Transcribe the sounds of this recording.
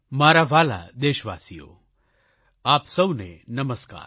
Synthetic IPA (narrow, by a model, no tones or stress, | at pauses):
maːɾaʋaːla̰d̪eːʃʋa̰ːsijo̰ | aːpsəwnḛnəməska̰ːɾ